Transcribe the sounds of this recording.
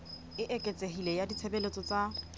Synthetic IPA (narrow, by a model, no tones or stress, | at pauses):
ɪʔekʼet͡sʼeɦilɛjadit͡sʰebelet͡sʼɔt͡sa